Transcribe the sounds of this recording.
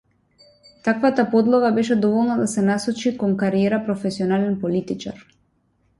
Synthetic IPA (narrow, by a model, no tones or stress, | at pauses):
t̪akvat̪apɔd̪lˠɔɡabɛʃɛd̪ɔvɔlˠnad̪asɛnasɔt͡ʃikɔŋkaɾiɛɾapɾɔfɛsiɔnalɛnpɔlit̪it͡ʃa̰ɾ